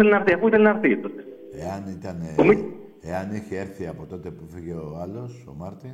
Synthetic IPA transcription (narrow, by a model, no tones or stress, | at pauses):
θelenɐɾθiɐfuiθelenɐɾθit̪ot̪e | eɐnit̪ɐnomi | eɐneçieɾθiɐpo̞t̪o̞t̪epufiʝeoalo̞so̞mɐɾt̪i